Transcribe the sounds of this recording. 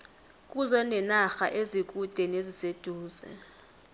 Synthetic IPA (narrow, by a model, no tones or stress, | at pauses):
k̬ʼuzɛnɛnaxa̰ʔezik̬ʼud̥ʱɛnezised̥ʱuːzɛ̰